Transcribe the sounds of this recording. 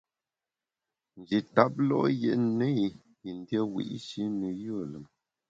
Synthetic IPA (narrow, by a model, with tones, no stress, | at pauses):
n̩˨d͡ʒi˨ta˦p̚lɔ̰˦ʔjḛ˦˨ʔnə˦i˨ | i˨n˦djə˦wḭ˨ʔʃi˦nə˨ju˦˨lə˨m